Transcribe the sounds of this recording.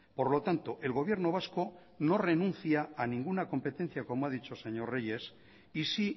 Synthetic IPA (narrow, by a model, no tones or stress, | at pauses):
po̞ɾlo̞t̪ant̪oʔe̞lɣo̞β̞je̞ɾno̞β̞asko̞ | no̞renũn̟θjaanĩŋɡunako̞mpe̞t̪e̞n̟θjako̞moað̞it͡ʃo̞se̞ɲo̞re̞je̞s | isi